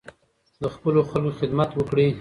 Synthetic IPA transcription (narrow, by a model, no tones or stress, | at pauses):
d̪əxpəloxəlkoxɪd̪mat̪wəkɽi